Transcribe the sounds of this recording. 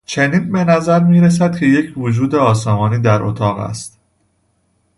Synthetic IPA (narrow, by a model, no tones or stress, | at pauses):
t͡ʃʰe̞niːnbe̞næzæɾmiːɾes̬æd̪̥̚cʰe̞jecʰvod͡ʒuːd̪e̞ɒːsɒːmɒːniːd̪æɾʔo̞̰t̪ʰɒːɣæ̰st̪